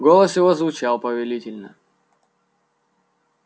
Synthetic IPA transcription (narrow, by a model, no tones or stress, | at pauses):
ɡolˠəsjɪvozvʊt͡ɕalˠpəvʲɪlʲitʲɪlʲnə